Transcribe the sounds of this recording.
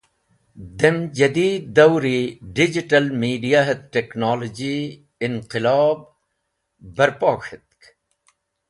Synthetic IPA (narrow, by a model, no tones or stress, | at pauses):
d̪emd͡ʒɐd̪iːd̪ːɐwɾiɖid͡ʑiʈɐlmiːɖijaɦet̪̚ʈeknaːlod͡ʑi | ɪnqɪlɑːb̚ː | ɐɾpaːkʰɪt̪̚k